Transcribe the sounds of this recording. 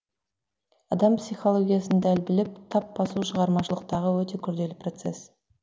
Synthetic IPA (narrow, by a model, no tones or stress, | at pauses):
ɑd̪ɑmpsijχo̞lˠo̞ɡʲijasənd̪ælbɪlɪp̚t̪ʰɑpbɑsuʃəʁɑɾmɑʃəlˠəq̚t̪ɑʁəwɵt̪e̞kʲʰʏɾd̪e̞lɪpro̞t̪se̞s